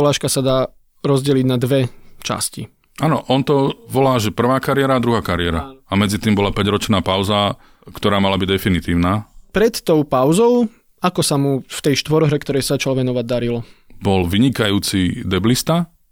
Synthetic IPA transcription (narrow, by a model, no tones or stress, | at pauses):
laːʃkasad̪aː | ɾɔzɟɛliɟnad̪ʋɛt͡ʃa̰scḭ | ʔaːnɔʔɔnt̪ɔʋɔlaːʒɛpr̩ʋaːkaɾɪɛɾaːd̪ɾuɦaːkaɾiɛɾaamɛd͡zit̪iːmbɔlapɛɟɾɔt͡ʃnaːpaʊza | kt̪ɔɾaːmalabiɟd̪ɛfinit̪iːʊnaːpɾɛt̪ːɔʊpaʊzɔʊ | akɔsamuft̪ɛjʃt̪ʋɔɾɦɾɛkt̪ɔɾɛjsaat͡ʃalʋɛnɔʋaɟ̚d̪aɾilɔ | bɔlʋiɲikajuːt͡sid̪ɛblist̪a